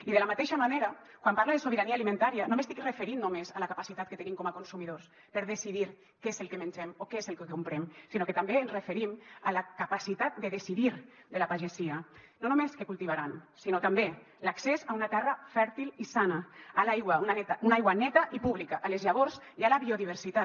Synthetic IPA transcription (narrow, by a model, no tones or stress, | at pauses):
iðelamat̪eʃamaneɾa | kwampaɾlaðesoβeɾanialimẽnt̪aɾianomest̪ikrefeɾinnomezalakapasit̪at̪̚ket̪enimkomakonsumiðoɾs | peɾðesiðiɾ | kezelkemẽnɲʲd͡ʒemokeezelkekumpɾemsinoket̪ambeːnzrefeɾimalakapasit̪at̪̚d̪eðesiðiɾd̪elapaʒesianonumeskekulˠt̪iβ̞aɾansinot̪ambe | laksezaunat̪ɛrafɛɾt̪ilisanaalajɣwaunanɛt̪aunajɣwanɛt̪aʔipuβlikaʔalezʎaβoɾz | ialaβioðiβ̞eɾsit̪a